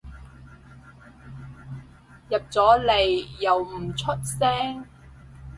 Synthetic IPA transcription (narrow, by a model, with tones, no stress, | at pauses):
jɐ˨p̚t͡sɔː˨˥le˨jːɐ˨wm̩˨˩t͡sʰɵ˥t̚sɛː˥ŋ